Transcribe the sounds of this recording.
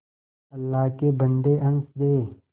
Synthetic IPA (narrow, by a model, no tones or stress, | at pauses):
ɐlːaːɦkebə̃nd̪eʔɐnsd̪eː